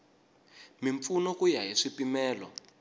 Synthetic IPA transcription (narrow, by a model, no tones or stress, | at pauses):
miɱfunɔkujaɦiʂipimɛːlɔ̰